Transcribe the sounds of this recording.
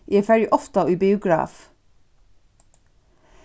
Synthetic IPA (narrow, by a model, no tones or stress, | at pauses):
ʔiːfæɹɪʔɔft̪ɑʔʉːbɪʊɡɹɑ̰ːf